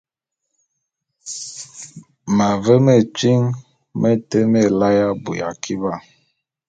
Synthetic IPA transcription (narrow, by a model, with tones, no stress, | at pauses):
ma˨və˦me˦˨t͡ʃi˦ŋ | mʔe˦te˦me˦˨la˦ja˦bu˨ja̰˨kʰi˦ba˦˨